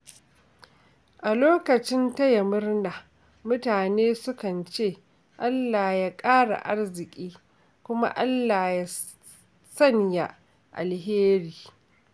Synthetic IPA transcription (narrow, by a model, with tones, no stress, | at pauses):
ʔa˨loː˦kɐ˨t͡ʃɪ˦nta˦ja˨mʊ˦rna˨ | mʊ˦taː˨neː˦sʊ˦kɐ˨nt͡ʃeː˦˨ | ʔa˦lːaː˨jaː˦kʼaː˦ɽa̰˨ʔa˦rzɪ˨kʲʼiː˦ | kʷʊ˦ma̰˦ʔa˦lːaː˨ja˦ | sɐ˦ɲja˨ | ʔa̰˨lɦeː˦ɾiː˨